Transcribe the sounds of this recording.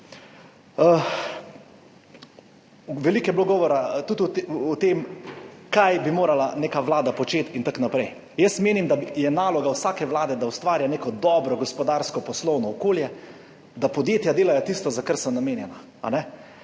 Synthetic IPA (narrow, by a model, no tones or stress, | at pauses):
ə | ʋɛlikɛjɛbloɡɔːʋɔɾat̪ut̪uːt̪eːmkajbimoːɾalanekaʋlaːd̪apɔt͡ʃeːt̪int̪aknapɾɛj | jəst̪meːnimd̪ajɛnaːlɔɡawsaːkɛʋlaːd̪ɛd̪awst̪ʋaːɾjaneːkɔd̪ɔːbɾɔɡɔspɔd̪aɾskɔpɔslɔwnɔːkoːljɛ | d̪apɔd̪jeːt̪jad̪eːlajɔt̪ist̪ɔzakaɾsɔmnameːnjɛna | a̰nɛ